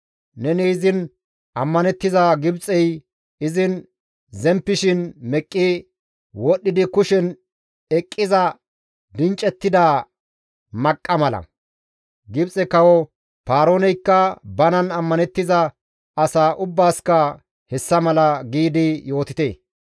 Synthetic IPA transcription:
nɛniːzɪn | ʔɐmːɐnɛt̪ːɪzaɡɪbt͡sʼɛj | ɪzɪn | zɛmpːɪʃɪnmɛkʼːɪ | wɔɗːɪd̪ɪkʊʃɛn | ɛkʼːɪzɐ | d̪ɪnt͡ʃʼːɛt̪ːɪd̪aː | mɐkʼːɐmɐlɐ̰ | ɡɪbt͡sʼɛkɐwɔ | paːɾoːnɛjkːɐbɐnɐnɐmːɐnɛt̪ːɪzɐ | ɐsaːʔʊbːaːskɐ | hɛsːɐmɐlɐɡiːd̪ɪjo̞ːt̪ɪt̪ḛː

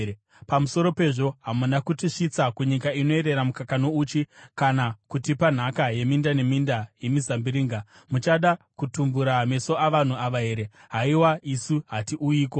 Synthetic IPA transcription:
pamuso̞ɾo̞pe̞ʐo̞ɦamunakutiʂit͡sakuɲikaino̞eɾe̞ɾamukakanouːt͡ʃikanakutipan̤akaje̞mindane̞mindaje̞mizambiɾiːŋɡa | mut͡ʃaɗa | kutumbuɾame̞so̞ʔaʋan̤uaʋaɦe̞ːɾe̞ | ɦaiwaisuɦatiʔuiːko̞

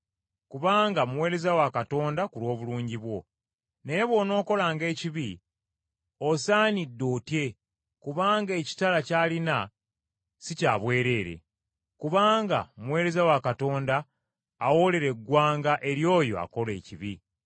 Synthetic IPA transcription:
kuβaːŋɡamwe̞ːɾe̞zawakato̞ːndakulwo̞ːβuluːɲɟiβwo̞ | neβwo̞no̞ːko̞laːŋɡe̞ːciβi | osaːnidːotje̞ | kuβaːŋɡe̞ːci̥talacaːlina | sicaːβwe̞ːɾe̞ːɾḛ | kuβaːŋɡa̰muwe̞ːɾe̞zawakato̞ːndaː | wo̞le̞ɾe̞ɡːwaːŋɡaʔe̞ɾjo̞ːjo̞̰a̰ko̞le̞ːciβi

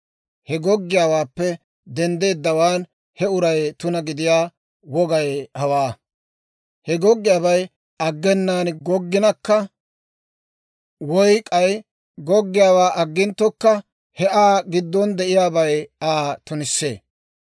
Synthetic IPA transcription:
hɛɡɔɡːɪjaːwaːpːɛ | d̪ɛnd̪e̞ːd̪ːɐwaːn | hɛʊɾɐjt̪ʊnɐɡɪd̪ɪjaː | wɔɡɐjhɐwaː | hɛɡɔɡːɪjaːβɐj | ɐɡːɛnːaːnɡɔɡːɪnɐkːɐ | wɔjkʼɐj | ɡɔɡːɪjaːwaːʔɐɡːɪnt̪ːɔkːɐ | hɛʔaːɡɪd̪ːɔnd̪ɛʔɪjaːbɐjaːt̪ʊnɪsːḛː

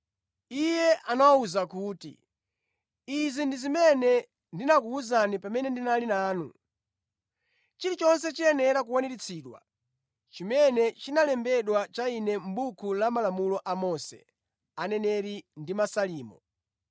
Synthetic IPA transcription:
ijɛʔanawauzakuːtḭ | izindizimɛnɛ | ndinakuːzanipamɛnɛndinalinaːnṵ | t͡ʃiɾit͡ʃɔnsɛt͡ʃiɛnɛɾak̬uwaniɾit͡sʰiːɗwa̰ | t͡ʃimɛnɛt͡ʃinalɛmbɛɗwat͡ʃainɛm̩bukʰulamalamulɔʔamɔsɛ̰ | anɛnɛɾindimasaliːmɔ

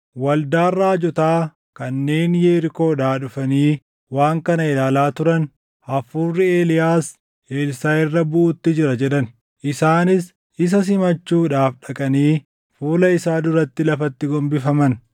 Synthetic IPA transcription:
wɐld̪aːrːaːd͡ʒɔt̪aː | kɐnːe̞ːnjeːɾɪko̞ːᶑaːɗʊfɐniː | waːŋkɐnɐɪlaːlaːt̪ʊɾɐn | ɐfuːrːɪe̞ːlɪjaːs | ʔeːlsaːɪrːɐbʊʔʊt̪ːɪd͡ʒɪɾɐd͡ʒɛɗɐn | ʔɪsaːnɪs | ʔɪs̬ɐs̬ɪmɐt͡ʃːuːᶑaːfɗɐkʼɐniː | fuːlɐɪsaːd̪ʊɾɐt̪ːɪlɐfɐt̪ːɪɡɔmbɪfɐmɐn

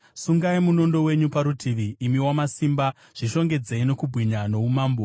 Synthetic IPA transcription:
suŋɡaimuno̞ndo̞we̞ɲupaɾutʰiʋiʔːmiwamasimba | ʐ̥iʃo̞ŋɡe̞d͡zeino̞kubʱwiɲano̞umaːmbo

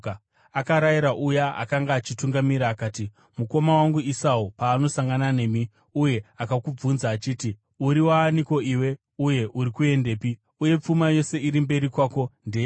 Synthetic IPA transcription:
akaɾaiɾaʔujaa̰kaŋɡaːt͡ʃituŋɡamiɾaːkaːti | muko̞mawaŋɡuisaupaːno̞saŋɡanane̞ːmi | uje̞akakub͡vunzaːt͡ʃiːti | uɾiwaːniko̞iwe̞ | uje̞ʔuɾikue̞nde̞ːpi | uje̞p͡fumajo̞se̞iɾimbe̞ɾikwaːko̞nde

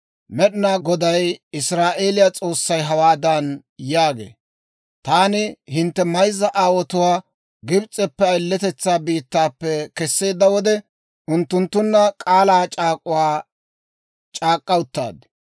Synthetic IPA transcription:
mɛɗɪnaːɡɔd̪ɐjɪsɾaːʔe̞ːlɪjat͡sʼo̞ːsːɐjɦɐwaːd̪ɐn | jaːɡḛː | t̪aːnɪhɪnt̪ːɛmɐjzːɐʔaːwɔt̪ʊwaː | ɡɪbt͡sʼɛpːɛɐjlːɛt̪ɛt͡sːaːbiːt̪ːaːpːɛkɛsːe̞ːd̪ːɐwɔd̪ɛ | ʔʊnt̪ːʊnt̪ːʊnːɐkʼaːlaːt͡ʃʼaːkʼʊwaː | t͡ʃʼaːkʼːɐʊt̪ːa̰ːd̪

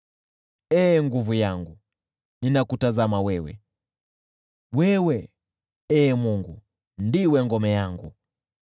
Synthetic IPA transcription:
ɛːŋɡuvujaŋɡu | ninakutazamawɛwɛ̰ | wɛwɛ | ɛːmuŋɡu | ndiwɛŋɡɔmɛjaŋɡu

